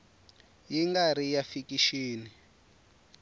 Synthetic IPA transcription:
jiŋɡaɾijafikiʃiːni

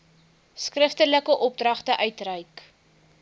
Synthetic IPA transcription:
skrəftələkəʔɔp̚drɐχtəʔœɥtrœɥk

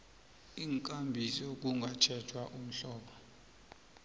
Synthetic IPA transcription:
iːŋkʼambʱisok̬uŋɡʱat͡ʃʰɛt͡ʃʰwaʔum̩ɬɔːɓɔ

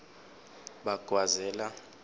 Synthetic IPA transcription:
ɓaɡ̥ʱwazɛla

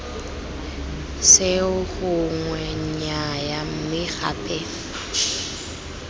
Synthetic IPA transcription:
sɪʊhʊŋwɛɲɲɲajam̩mɪɣa̰ːpʼɛ

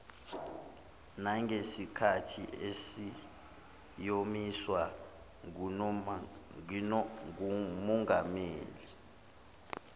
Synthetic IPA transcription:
naŋʱesikʰatʰiesi | jomiswa | ŋumɔŋɡameːli

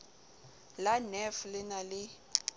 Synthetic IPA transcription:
lanɛflɪnalɪ

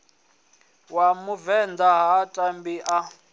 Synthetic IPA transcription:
wamuvɛnd̪aɦatʼambiʔa

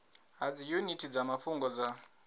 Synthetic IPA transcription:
ɦad͡zijunitʰid͡zamafuŋɡɔd͡za

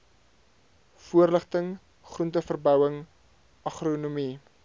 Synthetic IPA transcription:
fuərləχtəŋ | χruntəfərbœwəŋ | ʔɐχrunumi

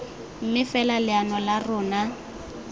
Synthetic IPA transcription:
m̩mɪfɛlalɪanɔlarʊːna

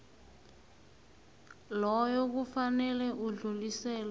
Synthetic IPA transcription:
lɔjɔk̬ufanɛlɛʔuɮulisɛːlɔ

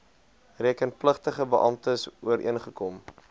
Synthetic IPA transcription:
riəkənpləχtəχəbəʔɑmtəsuəɾʔḭənχəkɔm

